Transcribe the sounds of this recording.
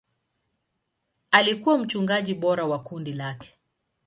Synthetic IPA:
alikuwam̩t͡ʃuŋɡaʄiɓɔɾawakundilakɛ̥

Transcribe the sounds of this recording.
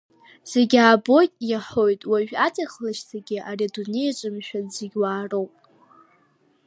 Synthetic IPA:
z̥e̞ɡʲaːbo̞jtʼjaħo̞jtʼwaʒᶣat͡sʼaχlɨʃzaɡʲɪʔariadune̞jat͡ʃʷʼɨmʃᶣanziɡʲwaːrowpʼ

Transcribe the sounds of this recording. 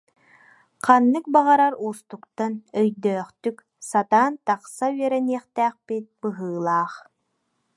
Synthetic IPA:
qanːɯk̚baʁaɾaɾuːst̪ukt̪anœjd̪œːχt̪yk | sat̪aːnt̪aqsayɛɾɛniɛχt̪æːχpit̪̚bɯɦɯːlˠaːχ

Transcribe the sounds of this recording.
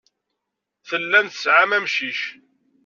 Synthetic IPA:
θəlːænθə̥sʕamæmʃiʃ

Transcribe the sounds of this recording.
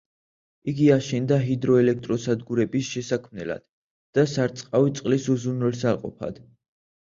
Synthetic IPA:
iɡiaʃɛnd̪aɦid̪ɾɔɛlɛk̚ʰt̪ʼɾɔsad̪ɡuɾɛbisʃɛsakʰmnɛ̰la̰d̪̥ | d̪̥asaɾt̪sʼqʼavit̪sʼqʼlisuzunwɛlsalqʼɔ̰pʰa̰d̪̥

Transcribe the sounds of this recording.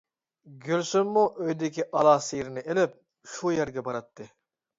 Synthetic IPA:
ɡʲølsymːuʔøjd̪ɪkʲiʔɑlˠɑːsiɾɪnɪʔelɪp̚ | ʃujæɾɡʲɛbɑɾɑt̪ːɨ

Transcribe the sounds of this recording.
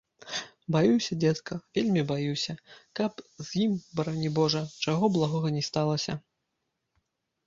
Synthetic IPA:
bajuwsʲɐd͡zʲɛt̪skɐvʲelʲmʲibajuwsʲɐkɐpzjimbɐɾanʲibɔʐɐt͡ʂaɣɔblˠaɣɔɣɐnʲɛst̪alˠɐsʲɐ̰

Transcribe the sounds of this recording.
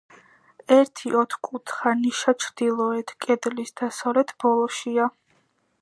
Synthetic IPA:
ɛɾt̪ʰiʔɔt̪ʰχkʼut̪ʰχaniʃat͡ʃʰɾd̪̥ilˠɔɛt̪ʰkʼɛd̪lisd̪̥asɔɾɛt̪ʰb̥ɔlˠɔʃia

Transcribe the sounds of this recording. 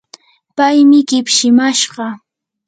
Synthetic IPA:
pajmɪkɪpʃɪmaʃɢɑ

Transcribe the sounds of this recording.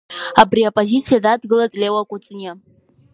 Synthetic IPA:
abriapʼozit͡sʰijadadɡɨlatʼlʲewakʷʼʊt͡sʼna

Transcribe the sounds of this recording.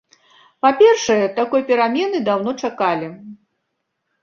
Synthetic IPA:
papʲɛrʂɐjɛt̪akɔjpʲɛɾamʲɛnɨd̪awn̪ɔt͡ʂakalʲi

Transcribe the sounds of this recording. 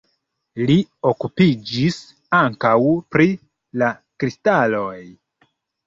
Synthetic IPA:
lio̞kupid͡ʒis | aŋkawpɾi | lakɾistalo̞j

